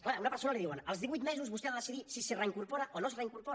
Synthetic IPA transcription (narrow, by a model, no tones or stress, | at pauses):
klaunɐpəɾsonaliðiwənəlˠzðiβujt̪mɛzuzβust̪eβaðəsiðisisereiŋkuɾpoɾaʔonos̬reiŋkuɾpo